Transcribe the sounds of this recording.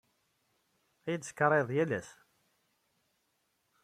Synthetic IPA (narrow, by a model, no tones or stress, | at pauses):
æjəd̪sə̥kːɾˤeðˤjælæs